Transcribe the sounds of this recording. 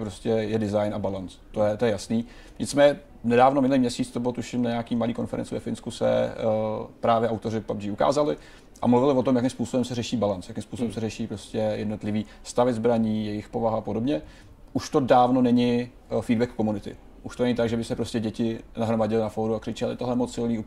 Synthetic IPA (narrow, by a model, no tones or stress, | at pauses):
ɛpɾo̞scɛjɛdɪzajnabalant͡st̪ojɛt̪ojɛjasniː | ɲɪtt͡smɛːɲɛ | nɛdaːvnomɪnuliːmɲɛsiːt͡st̪obɪlot̪uʃɪmnaɲeakiːmaliːko̞nfɛɾɛ̰nt͡sɪvɛfɪnskusɛ̰ | pɾaːvjɛʔawt̪o̞rɪpabd͡ʒiuka̰ːzalɪ | ʔa̰mluvɪlɪvo̞t̪omjakɪmspuːsobɛmsɛrɛʃiːbalant͡sjakɪmspuːsobɛmsɛrɛʃiːpɾo̞scɛjɛdno̞t̪lɪviː | st̪avɛzbɾaɲiːjɛjɪxpo̞vaɦaapodo̞bɲɛ | ʔuʃt̪o̞daːvno̞nɛɲɪ | fiːdbɛkːomunɪt̪ɪ̰ | ʔuʃt̪onɛɲɪt̪aɡʒɛbɪsɛpɾo̞scɛɟɛcɪnaɦɾo̞maɟɛlɪnafoɾuakr̥ɪt͡ʃɛlɪ̰t̪oɦlɛmot͡ssɪlniːup